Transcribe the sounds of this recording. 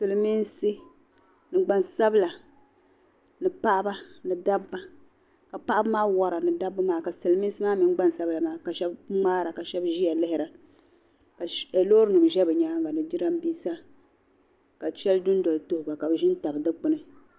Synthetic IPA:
sɨ˨lɨ˨mi˦nsɨ˦ | nɨ˨ɡ͡ba˨nsa˦bla˨ | nɨ˨pa˦ʔa˦ba˦nɨ˨da˦bːa˦ | ka˨pa˦ʔa˦bmaː˦wa˨ɾa˨nɨ˨da˦bːɨ˦maː˦ka˨sɨ˨lmi˦n˦sɨ˦maː˦mi˨n˦ɡ͡ba˦n˨sa˦bla˨maː˦ka˨ʃɛ˦bŋ͡maː˦ɾa˨ka˨ʃɛ˦bʒi˦ja˨lɪ˦hɪ˨˦ɾa˨ | ka˨a˨lo˦ɾɨ˦nɨ˨bʒɛ˦bɨ˨ɲa˦ŋɡa˨nɨ˨di˦ɾa˦m˦biː˦sa˦ | ka˨t͡ʃɛ˦ldʊ˦n˦dɔ˨lto˦hʊ˨ba˨ka˨bɨ˨ʒɪ˦n˦ta˨bɨ˨dɨ˦k͡pɨ˨nɨ˦

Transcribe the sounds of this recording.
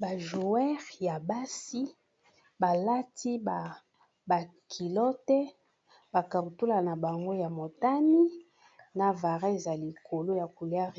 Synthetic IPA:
ba˨ʒu˨ɛ˦ʁja˨ba˦si˦ | ba˨la˦tʰi˦ba˨ | ba˨ | kʰi˨lɔ˦tɛ˦ | ba˨ka˨ɾu˨tu˦la˨na˨ba˨ŋɡo˦ja˨mo˨ta˦ni˦ | na˨va˨ʁɛ˦e˨za˨li˨kʰo˨lo˦ja˨ku˨li˨˦a˦ʁ

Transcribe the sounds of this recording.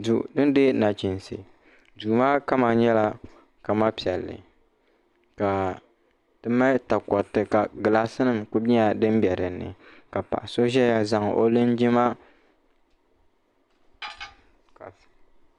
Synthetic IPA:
du˨dɨ˦n˦dɨ˦na˨t͡ʃi˨nsɨ̰˨ | duː˨ma˦ka˦ma˨ɲɛ˦la˦ | ka˨ma˦pi˨ɛ˨lːɨ̰˨ | ka˨ | tɨ˦ma˦ta˨kɔ˨tːɨ˨ka˨ɡɨ˨la˦sɨ˦nɨ˨mku˦bi˦a˨dɨ˦m˦bɛ˨ɾɨ˨nːɨ̰˨ka˨pa̰˨ʔa˨so˦ʒɛ˦ja˦za˦ŋʔo̰˦lɨ˦nd͡ʒi˦ma˦ | ka˨

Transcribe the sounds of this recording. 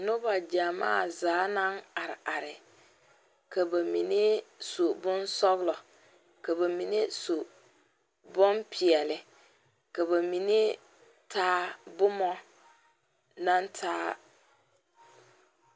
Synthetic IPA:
nʊ˦ba˨d͡ʒa˨ma̰ː˦˨zaː˨˦na˦ŋa˨ɾɪ˨ʔa˨ɾɪ˨ | ka˨ba˨mi˨ne˦so˨bʊ˦nsɔ˦ɣlɔ˨ | ka˨ba˨mi˨ne˦so˨ | bɔ˦mpʰi˨ɛ˨lɪ˨ | ka˨ba˨mi˨ne˦ | tʰaː˦bʊ˦mɔ˦ | na˦ntʰaː˦

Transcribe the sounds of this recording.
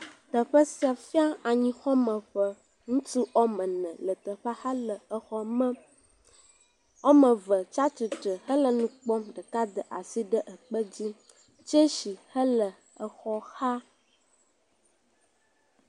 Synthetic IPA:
t̪ə˨ɸə˦si˦a˨fi˦a˦a˨ɲĩ˦xɔ˦mə̃˨ɸə˨ | ŋũ˦t̪u˦ɔ˦mə̃˨nɛ̃˨lə˨t̪ə˨ɸa˦hə˦lə˨ə˨xɔ˦mə̃˦ | ɔ˦mə̃˨və˨t͡ʃa˦t͡ʃi˨tə˨hə˦lə˨nũ˦k͡pɔ˦mɖə˨ka˦d̪ə˨ʔa˨si˦ɖə˦ʔə˨k͡pə˦d͡ʑi˦ | t͡ʃe˦ʃi˨hə˦lə˨ | ə˨xɔ˦xa˦

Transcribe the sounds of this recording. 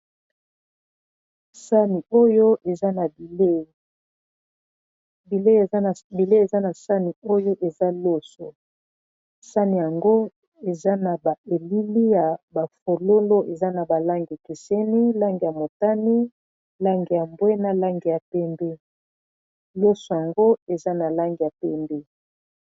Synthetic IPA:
sa˦ni˨o˦jo˦e˨za˦na˨ble˦˨ | bi˨le˦˨˦bi˨le˦e˨za˦na˨sa˦ni˨o˦jo˦ʔe˨za˦lo˦so˨ | sa˦ni˨ja˨ŋɡo˦ | e˨za˦na˨ba˨e˨li˦li˦ja˨ba˨fo˨lo˦lo˦ʔe˨za˦na˨ba˨la˦ŋɡi˨ki˨se˦ni˦la˦ŋɡi˨ja˨mo˨ta˦ni˦ | la˦ŋɡi˨ja˨mbwe˦na˨la˦ŋɡi˨ja˨pɛ˦mbɛ˦ | lo˦so˨ja˨ŋɡo˦e˨za˦na˨la˦ŋɡi˨ja˨pɛ˦mbe˦

